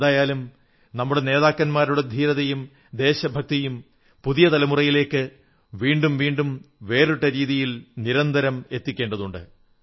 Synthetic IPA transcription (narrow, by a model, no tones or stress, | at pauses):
ðaːjaːlum | nɐmːuɽene̞ːðaːkːɐnmaːɾuɽed̪ʱiːɾɐðɐjum | d̪e̞ːɕɐbʱɐk̚t̪ijum | puðijɐt̪ɐlɐmurɐjile̞ːkːɨ | ʋiːɳɖumʋiːɳɖumʋe̞ːruʈːɐɾiːðijilniɾɐnd̪ʱɐɾɐme̞t̪ːikʲːe̞ːɳɖɐðuɳɖɨ̰